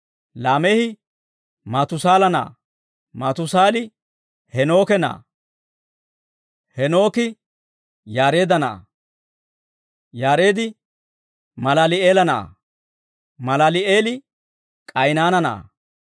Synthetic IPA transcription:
laːmɛhɪ | mɐt̪ʊsaːlɐna̰ː | mɐt̪ʊsaːlɪ | hɛno̞ːkɛna̰ː | hɛno̞ːkɪ | jaːɾe̞ːd̪ɐna̰ː | jaːɾe̞ːd̪ɪ | mɐlalɪeːlɐna̰ː | mɐlalɪeːlɪ | kʼɐjnaːnɐna̰ː

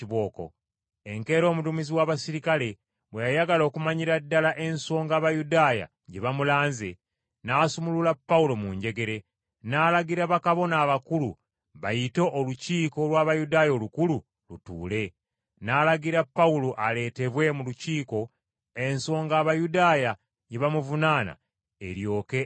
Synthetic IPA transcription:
iβo̞ːko̰ | e̞ŋke̞ːɾo̞ːmutumiziwaːβasiɾikale̞ | βwejajaɡalo̞ːkumaɲiɾadːalaʔe̞nso̞ːŋɡaːβajudaːja̰ | ɟe̞βamulaːnze | naːsumululapːaulo̞muɲɟe̞ɡe̞ɾe̞ | naːlaɡiɾaβakaβo̞naːβakulṵ | βajito̞ʔːluciːko̞lwaːβajudaːjo̞lukulu | lutṵːle̞ | naːlaɡiɾapːauloʔale̞ːte̞βwe̞muluciːko̞ | e̞nso̞ːŋɡaːβajudaːja | ɟeβamuvunaːna̰ | ḛɾjo̞ːke̞

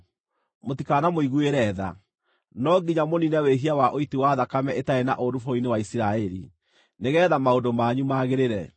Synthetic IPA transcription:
motikaːnamoiɣueɾɛða̰ | nɔɡiɲamoninɛweɦiawaʔoitiwaðakamɛʔetaena̰ʔodufoinewaisiɾaɛɾḭ | neɣɛðamaondomaɲumaːɣeɾeɾɛ

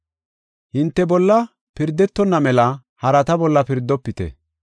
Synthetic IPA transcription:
hɪnt̪ːɛbɔlːɐ | pɪɾd̪ːɛt̪ːɔnːɐmɛlɐ | hɐɾɐt̪ɐbɔlːɐpɪɾd̪ːɔpːɪt̪ɛ̰

